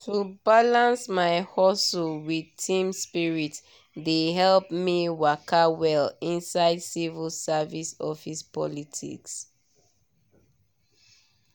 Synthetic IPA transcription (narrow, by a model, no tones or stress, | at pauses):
tʰubalãnsmaɪhɔsulwidtʰĩmspiɹit | deɦɛlpmiwakʰawɛlĩnsaɪdsivəlsavisɔfispɔ̰litʰḭks